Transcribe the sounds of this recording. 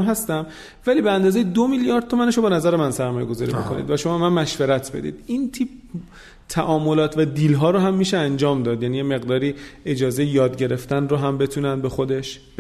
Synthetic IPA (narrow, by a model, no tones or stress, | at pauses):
ɦæst̪æm | væliːbeænd̪ɒːzejed̪omiljɒːɾd̪̚t̪ʰːo̞mæneʃobenæzæɾemænsæɾmɒːjeɡo̞zɒːɾḭbekʰonḭd̪væʃomɒbemænmæʃveɾæt̪ʰb̥e̞̰d̪ḭːd̪̥int̪ʰiːb̚ | t̪ʰæʔɒːmo̞lɒːt̪ʰvæd̪iːlɦɒːɾoɦæmːiːʃeænd͡ʒɒːmd̪ɒːd̪jæːnijeme̞ɣd̪ɒːɾiːe̞d͡ʒɒːze̞jejɒːd̪ɟe̞ɾe̞ft̪ænroɦæmbe̞t̪ʰuːnænbe̞xo̞d̪e̞ʃb